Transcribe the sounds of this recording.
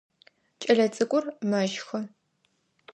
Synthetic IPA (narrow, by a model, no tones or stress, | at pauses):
t͡ʃʼɐɮɐt͡sʼɨkʷʼʊrmɐʒxɐ